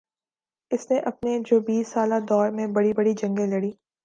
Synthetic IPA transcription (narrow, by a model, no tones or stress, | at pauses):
ɪsneʔɐp̚ned͡ʒoːbiːsːaːlad̪ɔːɾmẽbɐɽibɐɽid͡ʒɐ̃ŋɡẽlɐɽiː